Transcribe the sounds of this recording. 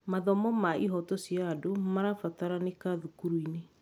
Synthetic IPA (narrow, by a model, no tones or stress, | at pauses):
maðɔmɔmaʔiɦɔtɔsjaːdomaɾafataɾanekaðukuɾwine